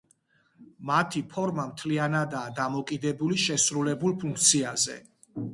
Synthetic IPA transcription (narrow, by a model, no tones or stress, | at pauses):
mat̪ʰipʰɔɾmamt̪ʰlianad̪aːd̪amɔkʼid̪ɛbuliʃɛsɾulɛbulˠpʰũŋk̚ʰt̪sʰiazɛ̰